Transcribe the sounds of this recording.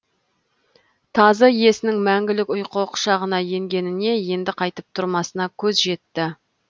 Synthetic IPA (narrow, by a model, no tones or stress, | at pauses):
t̪ʰɑzəje̞sɪnɪŋmæŋɡʲɪlɪkʊjqoqʃɑʁənɑje̞ŋɡʲe̞nɪne̞je̞nd̪ɪqʰɑjt̪əp̚t̪ʰʊɾmɑsənɑkʲʰɵzʒe̞t̪ːɪ